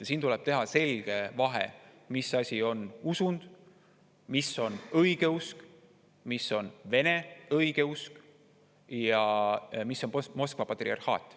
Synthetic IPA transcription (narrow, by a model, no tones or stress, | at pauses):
jɑsiːnt̪ulɛ̞b̥t̪e̞ɦɑse̞lʲɡ̥e̞vɑɦḛ | misːɑsʲio̞nusund̪̥ | misːo̞nɤjɡ̥e̞usk | misːo̞nve̞ne̞ɤjɡ̥e̞usk | jɑmisːo̞nmo̞skvɑpɑt̪ˑriɑ̰rhɑ̰ːt̪ːˑ